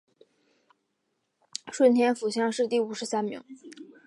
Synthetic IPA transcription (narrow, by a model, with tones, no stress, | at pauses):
ʂwə˥˩nt̪ʰjɛ˥nfu˨˩ɕjɑ˥˧ŋʂɻ̩˥˧t̪i˥˩u˨˩ʂɻ̩˧˥sa˥nmḭ˧˥ŋ